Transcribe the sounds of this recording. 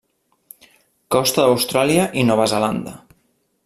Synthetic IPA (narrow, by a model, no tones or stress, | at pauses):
kɔst̪əðəwst̪ɾaliəʔinɔβəzəland̪ə̰